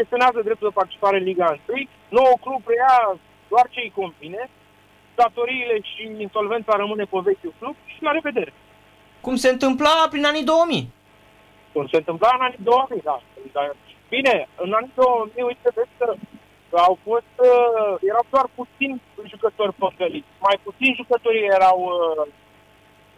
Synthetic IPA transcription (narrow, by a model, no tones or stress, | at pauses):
kest̪ioneazəd̪ɾep̚t̪uld̪epaɾrt̪it͡ʃipaɾe̞ɨnliɡaɨnt̪ɨj | no̞uklub̚reja | d̪oart͡ʃeijko̞nvine̞ | d̪̥at̪o̞ɾiːle̞ʃiinso̞lve̞nt̪saɾəmɨne̞kovesjuklub̚ʃilaɾe̞ve̞d̪e̞ɾe | kumse̞ɨnt̪ɨmplapɾinanid̪o̞wəmi | kumse̞ɨnt̪ɨmplaɨnanid̪o̞wəmid̪ad̪a | bine̞ɨnanid̪o̞wəmiujt̪̚t̪ed̪eskə | awfo̞st̪je̞ɾawd̪oarput̪sinʲʒukət̪o̞rʲpəkəlit͡ʃʲmajput̪sinʒukət̪o̞ɾijeɾaw